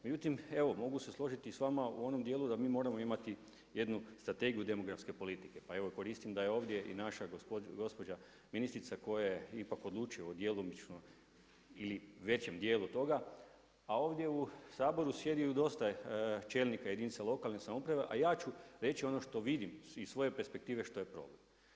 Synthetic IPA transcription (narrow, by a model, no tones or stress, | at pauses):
me̞d͡ʑut̪ime̞ʋo̞mo̞ɡuse̞slˠo̞ʒit̪isʋamaṵo̞no̞md̪je̞ːlud̪amiːmo̞ɾamo̞imat̪i | je̞d̪nust̪ɾat̪e̞ɡijud̪e̞mo̞ɡɾafske̞po̞lit̪i̥ke̞pae̞ʋo̞ko̞ɾiːst̪imd̪aje̞o̞ːʋd̪je̞ʔḭnaʃaɡopoɡo̞spo̞d͡ʑa | minist̪ɾit̪sako̞jajeipakod̪lˠuːt͡ʃijod̪je̞lomit͡ʃno | iliʋe̞t͡ɕe̞md̪jeːlut̪o̞ɡa | ao̞ːʋd̪je̞usaːbo̞ɾusje̞d̪ijud̪o̞st̪at͡ʃe̞lnikajed̪init̪salˠo̞kalˠnesamopɾaʋe̞ʔa̰jaːt͡ʃuɾe̞t͡ɕio̞no̞ʃt̪o̞ʋid̪imisʋo̞je̞pe̞ɾspe̞k̚t̪iːʋe̞ʃt̪o̞jepɾo̞̰blem